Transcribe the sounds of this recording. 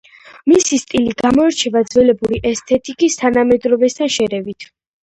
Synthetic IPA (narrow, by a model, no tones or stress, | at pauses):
misist̪ʼiliɡamɔɛɾt͡ʃʰɛvad̪zwɛlɛbuɾiʔɛst̪ʰɛt̪ʼikʼist̪ʰanamɛd̪ɾɔvɛst̪ʰanʃɛɾɛvit̪ʰ